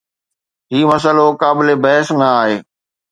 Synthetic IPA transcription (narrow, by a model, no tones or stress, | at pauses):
ɦiːmɐs̬əlokaːbɪlebɐɦɪsmẽaːɦeː